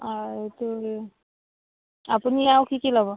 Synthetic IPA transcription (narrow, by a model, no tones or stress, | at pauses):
ɔetu | apuniawkʰikilabɔ